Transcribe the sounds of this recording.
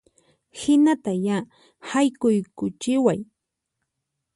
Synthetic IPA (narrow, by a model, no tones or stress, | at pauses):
hɪnat̪aja | hajkʊjkʊt͡ʃɪwaj